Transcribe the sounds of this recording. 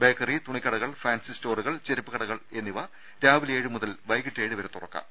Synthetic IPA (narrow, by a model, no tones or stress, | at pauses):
beːkːɐrit̪uɳikʲːɐɽɐɣɐɭfaːnsisto̞ːruɣɐɭt͡ɕe̞ɾɐpːɨɣɐɽɐɣɐɭe̞nːiʋɐ | ɾaːʋileːɻɨmuðɐlʋɐjɣiʈːe̞ːɻɨʋɐɾet̪ːurɐkːɐ̰